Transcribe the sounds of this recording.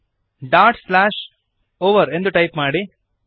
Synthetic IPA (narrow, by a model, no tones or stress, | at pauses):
ɖaːʈslaːʃ | oːʋɐɾe̞nd̪uʈɐjpmaːɽi